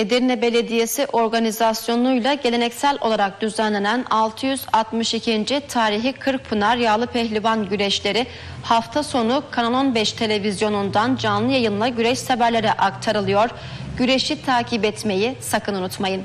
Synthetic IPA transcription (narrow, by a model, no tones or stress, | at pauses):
ed̪iɾinɛbe̞lʲe̞d̪ije̞siʔo̞ɾɡanizasjo̞nˠujlˠaɟelʲe̞nɛcsælʲʔo̞̰lˠaɾak̚d̪̥yzænlʲe̞nænalˠt̪ʰɯjyzat̪mɯʃicʰind͡ʒit̪ʰaːɾiɦikʰɯɾk̚pʰɯnaɾjaːlˠɯpʰɛçlʲivanɟyɾɛʃlʲe̞ɾɪ | haft̪ʰaso̞nukʰanalˠonbɛʃt̪ʰe̞lʲe̞vizjo̞nund̪and͡ʒanlˠɯjajɯnlˠaɟyɾɛʃsabæɾlʲe̞ɾɛʔakt̪ʰaɾɯlˠɯjo̞ɾ̥ | ɟyɾeʃit̪ʰaːcʰibɛt̪me̞jisakʰɯnunut̪majɯn